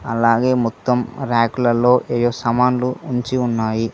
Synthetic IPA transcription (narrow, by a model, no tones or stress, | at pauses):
ɐlaːɡe̞ːmɔt̪ːɐmɾaːkulɐlo̞ːʔeːjoːsɐmaːnluuɲt͡ʃiunːaːji